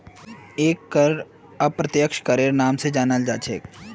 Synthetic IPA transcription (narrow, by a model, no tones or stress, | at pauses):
eːkːəɾɾ | ɐpɾɐt̪jəkʃkəɾeːɾnaːmsed͡ʒaːnald͡ʒaːt͡ʃʰḛːk